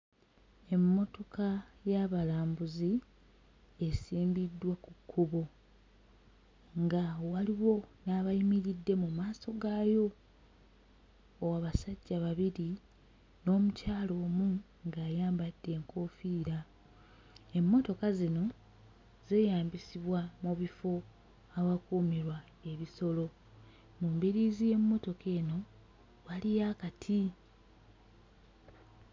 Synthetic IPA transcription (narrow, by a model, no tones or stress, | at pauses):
e̞mːo̞to̞kajaβalaːmbuzi | e̞siːmbidːwakukʰːuβo̞ | ŋɡawaliwo̞naːβajimiɾidːe̞mumaːso̞ɡaːjo̞ | waːβasaɟːaβaβiɾi | no̞ːmucaːlo̞ːmu | ŋɡaːjaːmbad̥ːe̞ːŋko̞ːfiːɾa | e̞mːo̞to̞kazino̞ | ze̞ːjaːmbisiβwamuβifo̞ | awakuːmiɾwa | e̞βiso̞lo̞ | mumbiɾiːzije̞mːo̞to̞ke̞ːno̞ | βalijakatʰi